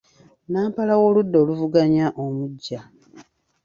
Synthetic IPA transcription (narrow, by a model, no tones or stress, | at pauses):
naːmpalawo̞ːludːo̞ːluvuɡaɲaʔomuɟːa